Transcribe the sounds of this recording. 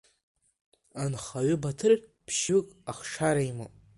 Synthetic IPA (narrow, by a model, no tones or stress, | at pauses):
anχaɥɪbatʰɨrpʰʃɨkʼaχʂaɾaimɨ̰